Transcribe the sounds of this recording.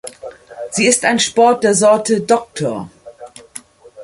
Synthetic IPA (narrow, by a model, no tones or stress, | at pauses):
z̥iːɪstaɪnʃpɔɐt̚d̥eːɐzɔɐtʰədɔk̚tʰoːɐ